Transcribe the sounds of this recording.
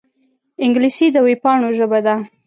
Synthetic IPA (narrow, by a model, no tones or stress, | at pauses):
ɪŋɡlisid̪əwepɑɳoʒəbad̪a